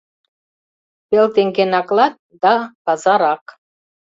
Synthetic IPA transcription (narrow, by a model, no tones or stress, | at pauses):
pelt̪eŋɡenɑklɑt̪̚d̪ɑpɑzɑɾɑk